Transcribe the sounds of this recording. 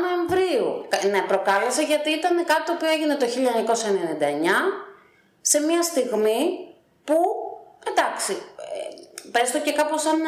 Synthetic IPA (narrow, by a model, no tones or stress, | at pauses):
no̞e̞ɱvɾiṵkne̞pɾo̞kɐle̞sɐʝɐt̪iit̪ɐne̞kɐt̪it̪oːpioeʝine̞t̪o̞çiʎɐɲɐko̞sɐenenind̪ɐeɲɐ | se̞miɐst̪iɣmi | pued̪ɐksiepɾest̪oce̞kɐpo̞sɐn